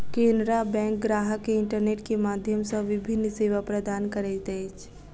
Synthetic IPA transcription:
kẽːnd̪ɾabɛ̃ːŋk̚ɡɾaːɦəkːeɪ̃ɳʈəɾneːʈkemaːd̪ʱjəmsəʋɪbʱɪnːseːʋapɾəd̪aːnkəɾet̪et͡ʃʰ

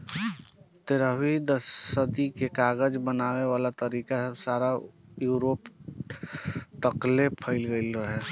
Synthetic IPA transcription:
t̪eɾəid̪əsːəd̪ikekaːɡəd͡ʒbənaːweʋaːlat̪əɾiːkasaːɾajuːɾoːp | t̪əklepʰəɪlɡəɪlɾəɦe

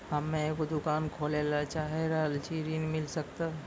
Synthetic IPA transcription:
həmːẽekod̪ʊkaːnkʰoːlelat͡ʃaːɦeɾəɦəlt͡ʃʰiɾinmɪlsək̚t̪a

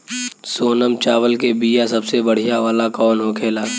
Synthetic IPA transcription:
soːnəmt͡ʃaːwəlkebiːjasɐbsebəɽ̤ijaʋaːlakɔːnɦokʰeːlaː

